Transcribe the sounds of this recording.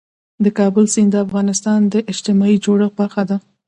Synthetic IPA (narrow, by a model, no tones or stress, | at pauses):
d̪əkɑbəlsind̪əafɣɑnɪst̪ɑnd̪əʔɪd͡ʒt̪ɪmɑid͡ʒoɽəxbaɾxad̪a